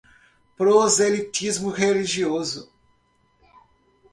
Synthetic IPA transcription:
pɾozelit̪izmʊheliʒiozʊ

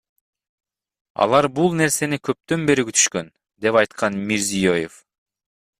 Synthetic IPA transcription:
ɑ̰lˠɑɾbulˠne̞ɾse̞nikʰøp̚t̪ø̞nbe̞ɾikyt̪ʰy̥ʃkø̞n | d̪e̞pɑjt̪qʰɑnmiɾzijo̞jef

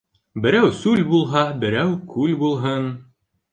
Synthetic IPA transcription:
bɘ̆ɾæwsʉlbulˠɦɑbɘ̆ɾæwkʉlbulˠɦɤn

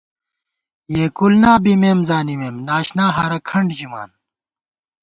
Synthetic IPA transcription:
jeːkulnaːbimeːmzaːnimeːmnaːɕnaːɦɐɾɐkʰɐɳɖd͡ʑima̰ːn

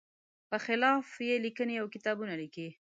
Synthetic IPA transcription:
pəxɪlɑfjelikəneawkɪt̪ɑbunaliki

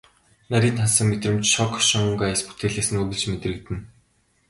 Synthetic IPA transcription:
naɾʲiːnt̪ʰansə̆ŋmet̪rɘ̆mt͡ɕʃɔkʰʃɔŋuŋkajsput̪eːɮeːsɘ̆nuɣɘ̆ɮt͡ɕmet̪rɘ̆k̚t̪ɘ̆n

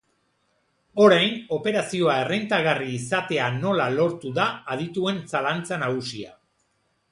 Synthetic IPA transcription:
o̞ɾajno̞pe̞ɾasio̞ae̞rent̪aɣariːsat̪e̞ano̞lalo̞ɾt̪uðaːð̞it̪ue̞nsalant͡sanaɣ̞usia̰

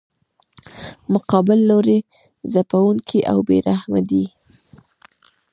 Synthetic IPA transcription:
mʊqɑbɪlːoɾe | zapawuŋkʰiʔawbeɾahmad̪i

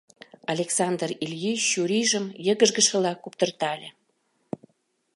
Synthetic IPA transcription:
ɑlʲeksɑnd̪rilʲjiɕuɾʲiʒəmjəɣə̆ʒɣə̆ʃə̆lɑkupt̪ərt̪ɑlʲe

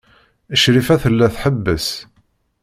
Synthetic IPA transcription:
əʃɾifæθəlːæθħəbːəs

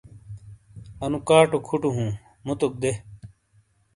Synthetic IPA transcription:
ɐnũkaːʈokʰuʈuɦũː | mut̪uk̚d̪e

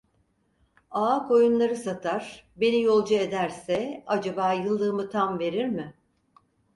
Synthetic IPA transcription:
aːkʰo̞junlˠaɾɯsat̪ʰaɾ̥be̞nijo̞lˠd͡ʒue̞d̪æɾsɛad͡ʒabaːjɯlˠd̪ɯːmɯt̪ʰamve̞ɾiɾmɪ

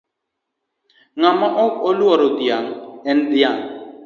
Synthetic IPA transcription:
ŋamaʔɔkoluaɾod̪ijaŋɛnd̪ijaŋ

